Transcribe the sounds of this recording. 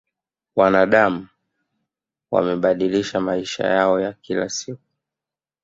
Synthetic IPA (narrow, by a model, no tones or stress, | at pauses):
wanaɗamu | wa̰mɛɓaɗiliʃamaiʃa̰jaɔjakila̰sik̚u̥